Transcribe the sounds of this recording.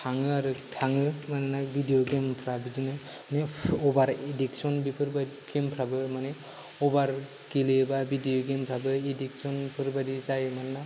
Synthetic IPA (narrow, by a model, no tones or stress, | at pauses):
tʰaŋɯaɾɯtʰaŋɯmananabʱidijɔɡempʰɾabɯzinɯ | nɛɔbaɾediksɔnbipʰɯɾba | ɡempʰɾabɯmanɛ | ɔbaɾ | kilebabidioɡempʰɾabɯediksɔnpʰɯɾbadizajmanana